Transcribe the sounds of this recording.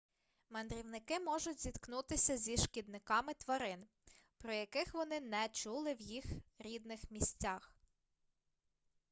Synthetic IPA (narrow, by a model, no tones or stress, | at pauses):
mɐnd̪ɾʲiwnɪkɪmɔʒʊtʲzʲid̪knut̪ɪsʲɐzʲiʃkʲid̪nɪkɑmɪt̪ʋɐɾɪn | pɾɔjɐkɪxʋɔnɪnɛt͡ʃulˠɪwjixɾʲid̪nɪxmʲisʲtʲax